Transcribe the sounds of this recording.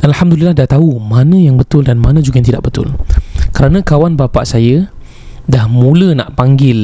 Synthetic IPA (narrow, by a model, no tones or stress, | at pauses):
ʔalhamdulilːahdaht̪aumãnə̃jaŋbət̪ʊldanmanãd͡ʒuɡajnt̪idaʔbət̪ʊ̰lkəɾanãkawanbapa̰ʔsajə | dahmũlənã̰ʔpaŋɡɪl